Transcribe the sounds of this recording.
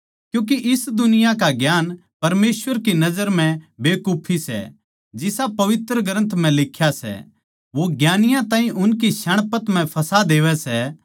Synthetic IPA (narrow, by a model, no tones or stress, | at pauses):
kjũːk̬iʔɪsd̪ʊnɪjakaɡjaːn | pɐɾmeːsʋəɾkinɐd͡ʒəɾm̤ɛ̃beːkuːpʰisɛ̰ | d͡ʒɪsapɐʋɪt̪ɾəɡɾə̃nt̪ʰm̤ɛ̃lɪkʰːjasɛ̰ | ʋoɡjaːnɪjãt̪ãːɦĩʔʊnk̬iʃɐɽ̃pət̪m̤ɛ̃pʰɐsad̪eːʋɛsɛ